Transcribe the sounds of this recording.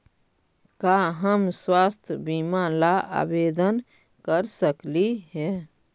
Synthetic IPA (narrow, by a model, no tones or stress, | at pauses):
kaːɦəmswaːst̪ʰbimalaʔa̰ːbeːd̪ən | kəɾsəkliɦɛː